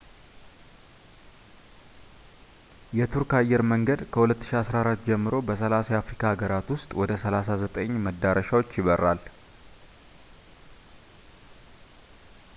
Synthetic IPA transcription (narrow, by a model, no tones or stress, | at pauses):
jɛt̪ʰuɾkajːɛɾməŋɡəd̪kʰəhulət̪ːɨ̥ʃiasɾaɾat̪ːd͡ʒɛmːɨɾo̞bəsəlasajɛafɾikʰaːɡəɾat̪wʊst̪ʼwɔd̪əsəlas̬azət̪ʼəɲːməd̪ːaɾəʃawot͡ʃːjɪβərːal